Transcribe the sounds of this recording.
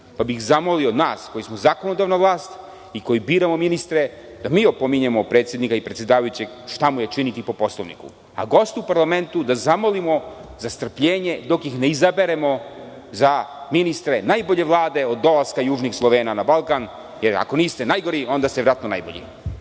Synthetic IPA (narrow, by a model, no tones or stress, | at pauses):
pabixzamoliood̪naːsko̞jismozaːkonod̪aːʋnaʋlˠaːst̪ | iko̞jibiːɾamo̞minist̪ɾe̞ | d̪̥amiːo̞po̞miɲemo̞pɾe̞ːt̪sʲjed̪nikaipɾet̪sje̞d̪aːʋajut͡ɕeɡ | ʃt̪amujet͡ʃinit̪ipo̞poslˠoʋnḭkṵ | a̰ɡo̞st̪upaɾlˠame̞nt̪ud̪azamo̞limo̞zast̪r̩pʎeːɲe̞d̪o̞kjixneizabeɾemo̞ | zaminist̪ɾe̞najboʎe̞ʋlˠaːd̪e̞o̞d̪ːo̞lˠaskajuːʒnixslˠoʋeːnanabalˠkan | jeɾa̰ko̞niːst̪e̞najɡo̞ɾio̞nd̪ast̪eʋɾat̪nona̰jboʎḭ